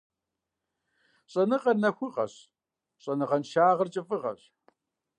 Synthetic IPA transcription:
ɕʼɐnɨqʼɐnɐxʷʊqɐ̰ɕ | ɕʼɐnɨʁɐnʃaːʁɐrt͡ʃʼɪfʼɨʁɐ̰ɕ

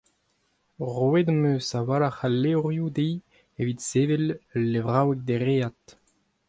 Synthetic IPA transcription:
ʁwed̪amøsawaːɾaχalːeʁjud̪ej | evit̪sevellːevʁawɛk̚d̪eʁeat̪

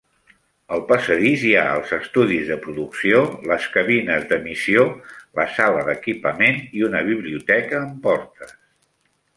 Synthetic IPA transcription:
əlˠpəsəðizja̰ə̰lˠzəst̪uðizðəpɾuðuksioləskəβinəzðəmisioləsaləðəkipəmeniunəβ̞iβliut̪ɛkəːmpɔɾt̪əs

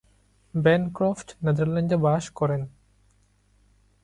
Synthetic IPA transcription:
bɛnkɾɔfʈnɛd̪aɾlend͡ʑebaʃkɔɾen

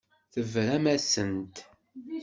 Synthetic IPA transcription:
θəvɾæmæsənt̪

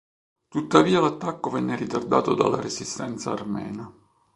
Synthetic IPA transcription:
t̪ut̪ːaviːalat̪ːakːovɛnːeɾit̪ard̪a̰ːt̪od̪a̰lːa̰ɾesist̪ɛnt̪saːrmɛ̰ːna

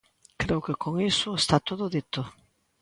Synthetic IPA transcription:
kɾewkekʰoŋisʊest̪at̪oðʊðit̪o

